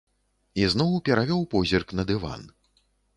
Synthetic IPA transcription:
iznɔwpʲɛɾavʲɔwpɔzʲirknɐd̪ɨva̰n

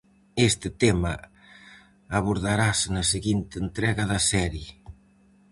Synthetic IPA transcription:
est̪ɪt̪emɐ | aβoɾðaɾasnɐseɣint̪ɪːnt̪ɾɛɣɐðɐsɛɾje

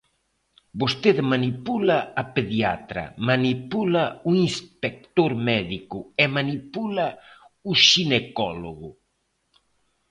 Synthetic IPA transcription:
bost̪eðemanipulaːpeðja̰t̪ɾɐ̰manipulauinspek̚t̪oɾmɛðikʊemanipula | uʃinekɔloɣʊ

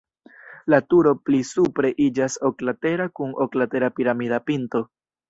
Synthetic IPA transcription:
latuɾo̞plisupɾe̞ʔid͡ʒasoklate̞ɾakunoklate̞ɾapiɾamidapinto̞

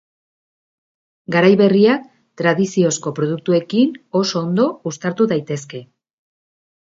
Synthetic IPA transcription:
ɡaɾajβe̞riak̚ | t̪ɾaðisio̞sko̞pɾo̞ð̞uk̚t̪ue̞kino̞so̞ːnd̪o̞ust̪aɾt̪uðajt̪e̞ske̞

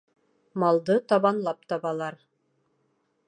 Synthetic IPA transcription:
mɑlˠd̪ɤt̪ɑβɑnlˠɑp̚t̪ɑβɑlˠɑɾ

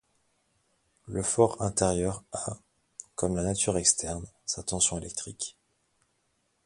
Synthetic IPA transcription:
ləfɔʁɛ̃t̪eʁjœʁa | kɔmlanat̪yʁɛkst̪ɛʁnsat̪ɑ̃sjɔ̃elɛk̚t̪χik

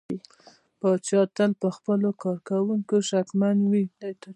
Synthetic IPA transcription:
pɑt͡ʃɑt̪alpəxpəlokɑɾkawuŋkoʃakmand̪wid̪ət̪

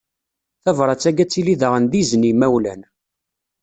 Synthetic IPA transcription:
θævɾˤɑt͡sːæɡæt͡sːiliðəʁənðiznimæwlæn

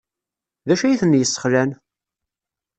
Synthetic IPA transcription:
ðæʃæjiθənjəsˤːə̥χlæn

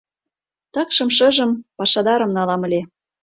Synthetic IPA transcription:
t̪ɑkʃɤ̆mʃɤ̆ʒə̆mpɑʃɑd̪ɑɾə̆mnɑlɑmə̆lʲe

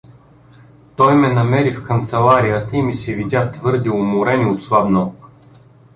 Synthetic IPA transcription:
t̪ɔjmɛnɐmɛɾifkənt̪sɛlˠaɾijət̪əimisɛvid̪ʲat̪vɤɾd̪iʊmʊɾɛniot̪slˠabnɔ

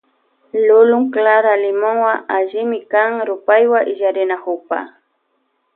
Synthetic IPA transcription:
lʊlʊŋklaɾalɪmoŋwaaʒɪmɪkaŋɾʊpajwaʔɪʒaɾɪnahʊpa̰

